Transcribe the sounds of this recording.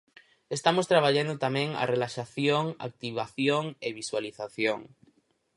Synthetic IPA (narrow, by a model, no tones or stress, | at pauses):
est̪amost̪ɾaβaʎand̪ot̪amẽŋa̰relaʃaθjoŋa̰k̚t̪iβaθjoŋeβiswaliθaθjoŋ